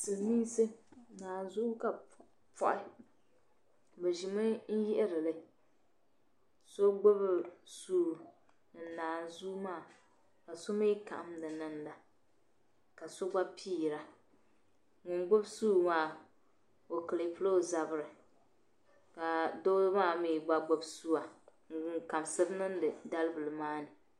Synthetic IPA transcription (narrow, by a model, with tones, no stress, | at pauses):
sɨ˨niː˦sɨ˦˨naː˨n˨zu˦ka˨ | pɔ̰˨ʔɪ˦ | bɛ˨ʒi˨mɨ˦n̩˦ji˦ʔɛ˦ɾɨ˨lɨ˦ | so˦ɡ͡bʊ˦bsuː˦˨ | nɨ˨naː˨n˨zuː˦maː˦˨ | ka˨so˦me˦ka̰˨ʔa˦mnɨ˨nɨ˦nda˨ | ka˨so˦ɡ͡ba˦pʰiː˦˨ɾa˨ | ŋʊ˨nɡ͡bʊ˦bsuː˦maː˦˨ | o˨kɨ˨li˨pɨ˦lo˦˨za˨bɨ˨ɾɨ˨ | ka˨do˦maː˦˨mi˨ɡ͡ba˦ɡ͡bʊ˨bsu˦a˨ŋ̩˨ŋka˨msɨ˦bnɨ˦n˦dɨ˨da˦lɨ˦bɨ˨lɨ˨maː˦nɨ˨